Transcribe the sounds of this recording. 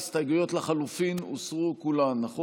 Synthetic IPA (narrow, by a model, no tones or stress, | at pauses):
st̪aɡujo̞t̪laχalufinṵsʁukulanːaχo